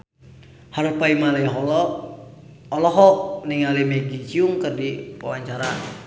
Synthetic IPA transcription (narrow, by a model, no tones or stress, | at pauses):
haɾupaimalaiɦɔlɔ | ɔlɔɦɔʔ̚niŋalimeɡit͡ʃiuŋkɨrdipa̰waɲt͡ʃaɾan